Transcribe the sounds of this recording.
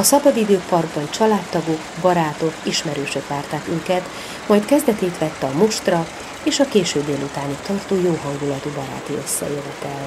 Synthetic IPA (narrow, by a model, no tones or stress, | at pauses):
ɒsɒbɒd̪id̪øːpɒrɡbɒnt͡ʃɒlaːt̪ːɒɡokbɒɾaːt̪o̞kiʃmɛɾøːʃøkʋaːrt̪aːk̪yŋkɛt̪ | mɒjt̪kɛzd̪ɛt̪ɛjt̪ʋɛt̪ːɛɒmuʃt̪rɒ | eːʃɒkeːʃøːbd̪eːlut̪aːnikt̪ɒrt̪oːjoːɦɒŋɡulɒt̪ubɒɾa̰ːt̪iø̞sːɛ̰eːvɛt̪ɛl